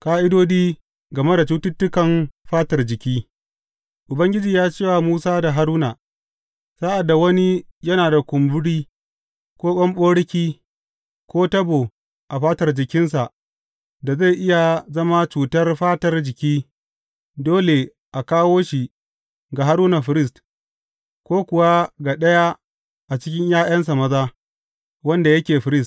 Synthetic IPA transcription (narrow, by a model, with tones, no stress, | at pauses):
kaː˦ʔɪ˦doː˦diː˦ | ɡɐ˨me˦da˨t͡ʃuː˦tʊ˦tːʊ˦kɐ˨mɸaː˦tɐ˨rd͡ʒɪ˨kʲiː˦ | ʔʊ˨bɐ˦ŋɡʲɪ˦d͡ʒiː˨jaː˦t͡ʃeː˦wa˨muː˦saː˦da˨ɦa˦ɾuː˦naː˨ | sa˦ʔa˨dːa˨wɐ˦ni˦jɐ˦naː˨da˨kʷʊ˨mbʊ˦ɽiː˦ | kʷoː˦ɓɐ˦mɓoː˦ɽɪ˦kʲiː˦ | kʷoː˦tɐ˦bo˨ | ʔa˨ɸaː˦tɐ˨rd͡ʒɪ˨kʲɪ˦ns̬a˨ʔ | da˨za˦˨jʔɪ˦ja˨zɐ˦ma˦t͡ʃuː˨tɐ˦rɸaː˦tɐ˦rd͡ʒɪ˨kʲiː˦ | doː˦le˨ | ʔa˨kaː˦woː˦ʃi˨ | ɡa˨ɦa˦ɾuː˦na˨ɸɪ˦ɾɪ˦s̬t | kʷoː˦kʷʊ˨wa˦ɡa˨ɗɐ˦ja˦ | ʔa˨t͡ʃɪ˦kʲɪ˦ɲjaː˦jɐ˦ns̬a˨mɐ˦zaː˦ | wɐ˦nda˨jɐ˦kʲeː˨ɸɪ˦ɾɪ˦st